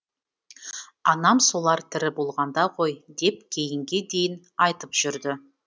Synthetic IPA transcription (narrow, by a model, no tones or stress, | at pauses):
ɑnɑmso̞lˠɑɾt̪ʰɪɾɪbo̞lˠʁɑnd̪ɑqʰo̞jd̪e̞p̚kʲʰe̞jɪŋɡʲe̞d̪e̞jɪn | ɑjt̪əpʒ̥ʏɾd̪ɪ